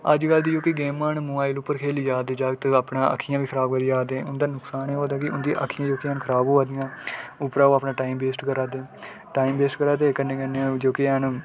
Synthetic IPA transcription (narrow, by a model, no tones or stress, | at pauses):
əd͡ʒkəld̪iːd͡ʒoːkiɡeːmaːnmʊaːɪlʊpːəɾkʰeːliːd͡ʒaːd̪eːd͡ʒaːɡt̪apɳãːə̰kʰːijãːʋiːkʰəɾaːbkəɾiːd͡ʒaːd̪ẽːʊnd̪aːnʊksaːneːɦoːd̪aːkɪʔʊ̰nd̪iʔa̰kʰːɪjãːd͡ʒoːkiɦənkʰəɾaːboːaːd̪ɪjãːʊpɾaːoːaːpnãːʈaːiːmbeːsʈkəɾaːd̪eː | ʈaːiːmbeːsʈkəɾaːd̪eːkənːẽːkənːed͡ʒoːkiən